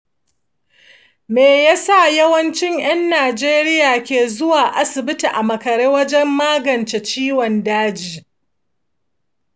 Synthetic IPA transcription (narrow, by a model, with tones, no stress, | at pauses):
meː˨jaː˦sa˦˨jɐ˦wɐ˦nt͡ʃɪ˦ŋj̰ɐ˦nːaː˨d͡ʒeː˦ɾɪ˦jaː˨kʲeː˨zʊ˦waː˨ʔa˦sɪ˨bɪ˦ti˨ʔa˨mɐ˨kɐ˨ɾeː˦wɐ˦d͡ʒɛ˦mːaː˦ɡɐ˨nt͡ʃe˨t͡ʃiː˦wɔ˨ndaː˦d͡ʒiː˨